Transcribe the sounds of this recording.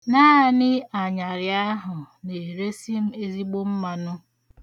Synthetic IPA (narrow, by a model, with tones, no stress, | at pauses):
naː˦˨nɪ˦a˨ɲa˨ɾja˦ɦʊ˨ | ne˨ɾe˦si˦m̩˦e˦zi˦ɡ͡bo˦m̩˦ma˨nʊ˦